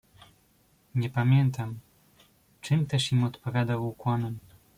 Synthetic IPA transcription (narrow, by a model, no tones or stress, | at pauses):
ɲɛpamʲjɛnt̪am | t͡ʂɘmt̪ɛʂimɔt̪pɔvʲjad̪awukwɔnɛm